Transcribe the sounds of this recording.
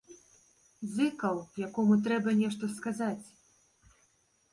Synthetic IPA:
zɨkɐwjakɔmut̪ɾɛbɐnʲɛʂt̪ɔskazat͡sʲ

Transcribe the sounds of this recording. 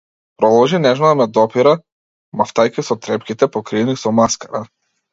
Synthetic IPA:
pɾɔd̪ɔlˠʒinɛʒmɔd̪amɛd̪ɔpiɾa | maft̪ajkʲisɔt̪ɾɛpkʲit̪ɛpɔkɾiɛnisɔmaskaɾa

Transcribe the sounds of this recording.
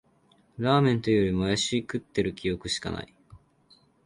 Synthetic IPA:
ɾaːmẽ̞nt̪o̞joɾʲimoajaɕiːkɯ̟t̪ːe̞ɾɯ̟kʲijo̞kɯ̟ɕi̥ka̰na̰i

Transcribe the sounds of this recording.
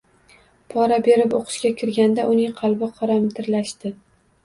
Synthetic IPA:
pʰɒɾabe̞ɾɪpoqʰɨ̥ʃkʲakʲʰɪɾɡʲand̪aʔʊnɪŋqʰɑlˠbɪqʰɒɾamt̪ʰɪɾlaʃt̪ɪ

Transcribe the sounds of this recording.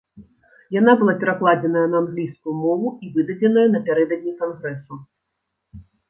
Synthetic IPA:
jan̪abɨlˠapʲɛɾaklˠad͡zʲɛnɐjɐnɐanɣlʲijskujumɔvuivɨd̪ɐd͡zʲɛnɐjɐnɐpʲaɾɛd̪ɐd̪ʲnʲikanɣɾɛsu

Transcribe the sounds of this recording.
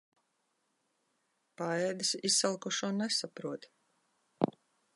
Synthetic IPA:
paɛːd̪ɨsissalˠkɔʃuɔnɛsapɾuɔt̪

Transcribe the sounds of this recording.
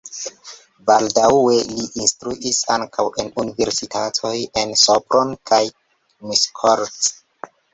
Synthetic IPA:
baldawwe̞liʔinstɾuʔisa̰ŋkʰawʔe̞nunive̞ɾsitʰatʰo̞je̞nsopɾonkʰaj | miskʰoɾt

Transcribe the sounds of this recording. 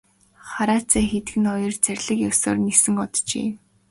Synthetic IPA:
χaɾaːt͡sʰæːxet̪ɡɘ̆nχɔjɞ̆rt͡særʲɮɘ̆kjɔwso̰ːrnesɘ̆ŋɔt̪t͡ɕḛː

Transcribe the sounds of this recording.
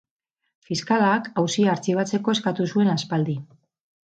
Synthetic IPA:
fiskalakawsiaːɾt͡siβ̞at͡se̞ko̞e̞skat̪usue̞naspald̪i

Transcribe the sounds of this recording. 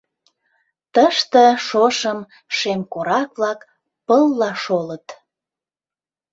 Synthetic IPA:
t̪əʃt̪əʃoʃəm | ʃemkoɾɑkβlɑk | pəlːɑʃolət̪

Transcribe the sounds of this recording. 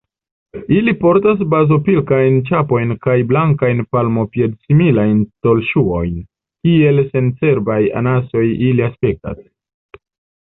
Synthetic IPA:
ilipo̞ɾtas̬bazo̞pilkajnt͡ʃapo̞jnkajblaŋkajnpalmo̞pje̞dsimilajnsto̞lʃuo̞jn | kie̞lse̞nse̞ɾbaja̰naso̞jiliaspe̞k̚ta̰s

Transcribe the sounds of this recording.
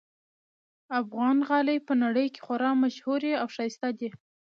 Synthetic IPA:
afɣɑnɣɑləjpənaɽəjke̥xwaɾɑmaʃhuɾeawʂɑst̪ad̪i

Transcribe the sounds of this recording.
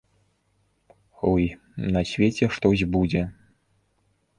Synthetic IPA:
ɔj | nɐsʲvʲet͡sʲɛʂt̪ɔzʲbud͡zʲɛ

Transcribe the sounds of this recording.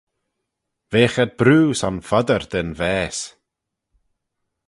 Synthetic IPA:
veːxəd̪̚bɾuːsanfɔd̪əɾd̪ɪnvɛːs

